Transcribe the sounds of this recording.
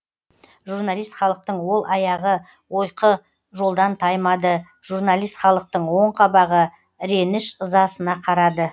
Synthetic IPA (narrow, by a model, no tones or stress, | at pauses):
ʒurnalˠijst̪χɑlˠəq̚t̪əɴwo̞lˠʔɑjɑʁə | wo̞jqə | ʒo̞lˠd̪ɑnt̪ʰɑjmɑd̪ə | ʒ̥urnalˠijst̪χɑlˠəq̚t̪əɴwo̞ɴqʰɑbɑʁə | ɾe̞nɪʃəzɑsənɑqʰɑɾɑd̪ə